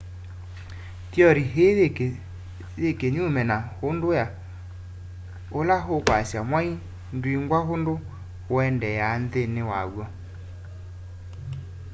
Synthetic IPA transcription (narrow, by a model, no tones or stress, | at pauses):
tjɔɾiɦe | ðekeɲumɛnahondoja | olaɦokwasjamwai | ndwiŋɡwahondo | wɛndɛjanðenewa̰ɣwɔ